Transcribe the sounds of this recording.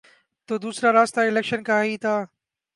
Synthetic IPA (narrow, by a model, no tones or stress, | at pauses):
t̪oːd̪uːsɾaɾaːst̪aɪlɛkʃənkɐɦait̪ʰaː